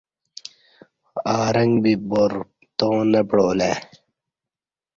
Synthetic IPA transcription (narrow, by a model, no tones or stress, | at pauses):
aːɾɐŋɡbiboɾ | t̪õːnɐpɽoːleː